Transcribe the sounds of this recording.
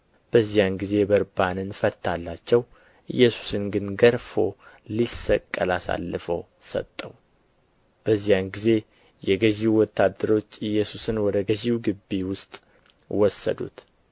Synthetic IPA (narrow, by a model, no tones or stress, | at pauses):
b̥əzːijanɡize̞bəɾbanɨnfət̪ʰːalːat͡ʃːɛw | ʔɨ̰jːɛsu̥sɨnɡɨnɡəɾfo̞ | lisəkʼːəlasa̰lːɨfəw | sə̰t̪ʼːəw | b̥əzːijanɡize̞ | jɛɡəʒiwwɔt̪ːad̪ːəɾo̞t͡ʃːɨjːɛsusɨnwɔd̪əɡəʒiwuɡɨbːiwʊst̪ʼ | wɔsːə̰d̪ṵt̪